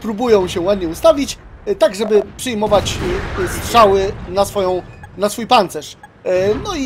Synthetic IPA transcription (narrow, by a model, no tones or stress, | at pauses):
pɾubujɔ̃w̃ɕɛwad̪ɲɛust̪avʲit͡ɕt̪aɡʐɛbɘpʂɘjmɔvat͡ɕst̪ʂawɘnasfɔjɔ̃w̃nasfujpant̪sɛʂ | nɔi